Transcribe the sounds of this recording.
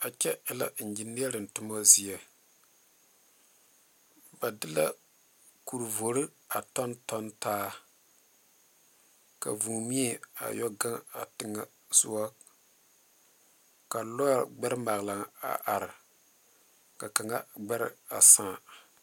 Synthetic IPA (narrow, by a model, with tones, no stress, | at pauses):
a˨t͡ʃɛ˦ɪ˦la̰˨n̩˨d͡ʒi˨ni˦a˦ɾɨ˨n̩˨tʊ˦mɔ˦zi˦a˨ | ba˨dɨ˦la̰˦ | ku˨ɾvo˨ɾɨ˦ | a˨tɔ˦ntɔ˦ntaː˦ | ka̰˨vu˨mi˦ɛ˦a̰˨jɔ˦ɡa˦ŋa̰˨tɨ˨ŋːa˦ | sʊ˦wa˦ | ka˨lɔ˦˨ɡ͡bɛ˦ɾɨ˦ma˨ɣla˨ŋa̰˨ʔa˨ɾɪ˨ | ka˨ka˨ŋa˦ɡ͡bɛ˦ɾɪ̰˦a̰˨sãː˦˨